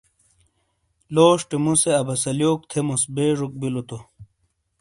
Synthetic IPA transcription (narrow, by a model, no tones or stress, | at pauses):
loːʂʈemuseɐbɐsɐljoːk̚t̪ʰemusbeːʐuk̚bilot̪o